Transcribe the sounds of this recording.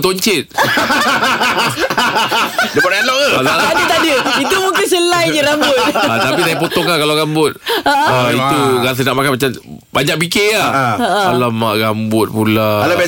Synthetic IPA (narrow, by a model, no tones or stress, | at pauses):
t̪oɲt͡ʃɪt̪̚ | dəpaɾalɔʔaaalaadət̪adəit̪umuŋkɪnsəlajd͡ʒəɾambʊt̪̚at̪apisajapot̪ɔŋlahkalaɡambʊt̪̚aʔaiuɡas̬ənaʔmakanmat͡ʃam | baɲak̚pikelaalama̰ʔɡambʊt̪̚pulaala